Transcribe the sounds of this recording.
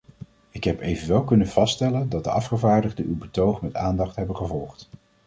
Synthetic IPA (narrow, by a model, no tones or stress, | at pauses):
ɪkɦɛpejvənʋɛlˠkɵnənv̥ɑstɛləndɑt̚dəʔɑfχəvaːɹdəχdəʔywbətowχmɛtaːndɑχtɦɛbənχəvɔlˠχt